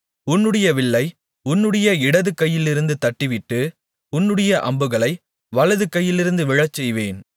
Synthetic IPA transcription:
ʊnːɯɽɐjɐʋɪɭːɐɪ | ʊnːɯɽɐjɐɪɽɐðɯkːɐjːɪlɪɾɯnd̪ɯt̪ɐʈːɪʋɪʈːɯ | ʊnːɯɽɐjɐʔɐ̰mbɯɣɐɭɐɪ | ʋɐlɐðɯkːɐjːɪlɪɾɯnd̪ɯʋɪɻɐt͡ʃːɛjʋeːn

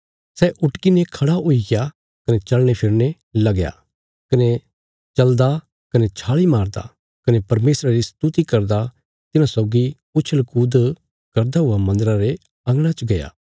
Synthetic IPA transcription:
sɛːʔʊʈkinekʰɐɽaʊiɡja | kɐnet͡ʃɐlɽ̃epʰɪɾne | lɐɡja̰ | kɐne | t͡ʃɐld̪a | kɐnet͡ʃʰaːɭimaːɾd̪a̰ | kɐnepɐɾmeːsɾaɾist̪ut̪ikɐɾd̪a | t̪ɪnãsɔːɡi | ʊt͡ʃʰəlkuːd̪ | kɐɾd̪aɦʊamɐ̃nd̪əɾaɾe | ɐ̃ŋɡɽ̃at͡ʃɡɐja̰ː

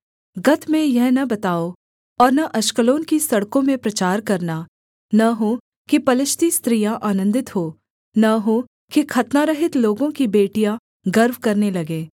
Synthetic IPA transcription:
ɡɐt̪mẽjɛɦnɐbɐt̪aːo | ɔːɾnɐʔɐʃkəloːnkisɐɽkõmẽpɾɐt͡ʃaːɾkɐɾna | nɐɦo | kipɐlɪʃt̪ist̪ɾijãʔaːnə̃nd̪ɪt̪ɦoː | nɐɦo | kikʰɐt̪naɾɐɦɪt̪loːɡõkibeːʈijã | ɡɐɾʋkɐɾnelɐɡẽː

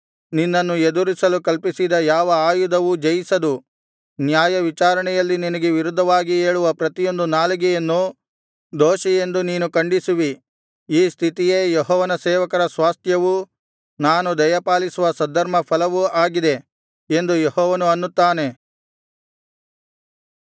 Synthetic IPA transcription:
ninːɐnːued̪uɾisɐlukɐlpisid̪ɐjaːʋɐaːjud̪ɐʋud͡ʒɐjisɐd̪u | njaːjɐʋit͡ʃaːɾɐɳɛjɐlːininɐɡeʋiɾud̪ʱːɐʋaːɡie̞ːɭuʋɐpɾɐt̪ijo̞nd̪unaːlɐɡɛjɐnːu | d̪oːʃije̞nd̪uniːnukɐɳɖisuʋi | iːst̪ʰit̪ije̞ːjeɦɔːʋɐnɐsɛːʋɐkɐɾɐsʋaːst̪ʰjɐʋu | naːnud̪ɐjɐpaːlisuʋɐsɐd̪ʱːɐɾmɐpʰɐlɐʋuaːɡid̪e̞ | end̪ujehɔːʋɐnuɐnːut̪ːaːne̞

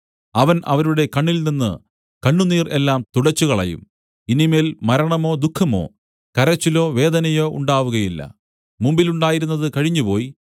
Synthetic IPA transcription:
ɐʋɐnʔɐ̰ʋɐɾuɽe̞kɐɳːilninːɨ̰ | kɐɳːuniːrʔe̞lːaːmt̪uɽɐt͡ɕːuɣɐɭɐ̰jṵm | inimeːlmɐɾɐɳɐmo̞ːd̪ukʰːɐmo̞̰ː | kɐɾɐt͡ɕːilo̞ːʋe̞ːd̪ɐnɐjo̞ːʔṵɳɖaːʋuɣɐjilːɐ̰ | mumbiluɳɖaːjiɾunːɐðɨkɐɻiɲːupo̞ːji

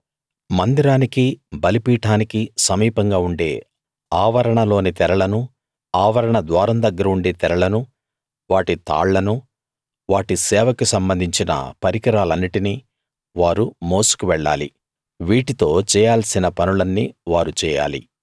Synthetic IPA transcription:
mɐnd̪iɾaːnikibɐlipiːʈaːnikisɐmiːpɐŋɡaːuɳɖe̞̰ː | aːʋɐɾɐɳɐlo̞ːnit̪ɛɾɐɭɐnu | aːʋɐɾɐɳɐd̪ʋaːɾɐmd̪ɐɡːɐɾɐuɳɖe̞ːt̪ɛɾɐɭɐnu | ʋaːʈit̪a̰ːɭːɐnu | ʋaːʈisɛːʋɐkisɐmbɐnd̪ʱiɲt͡ʃinɐ̰pɐɾikɐɾaːlɐnːiʈini | ʋaːɾumo̞ːsu̥kuʋɛɭːa̰ːlḭ | ʋiːʈit̪o̞ːt͡ʃɛːjaːlsinɐpɐnulɐnːḭːʋaːɾut͡ʃɛːja̰ːlḭ

